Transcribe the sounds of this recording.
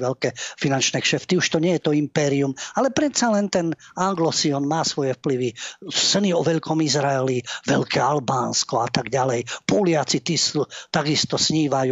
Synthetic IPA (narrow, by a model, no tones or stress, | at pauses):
ʋɛʎkɛfinant͡ʃnɛkʃɛft̪iuʃt̪ɔɲɛjɛt̪ɔimpɛːɾiumalɛpɾɛt̪t͡salɛnt̪ɛnaŋɡlɔsiɔnmaːsʋɔjɛfpliʋisɛniɔʋɛʎkɔmizɾaɛliʋɛʎkɛːalbaːnskɔat̪aɡɟalɛjpɔlɪat͡sit̪iːst̪aɡist̪ɔsɲiːʋaju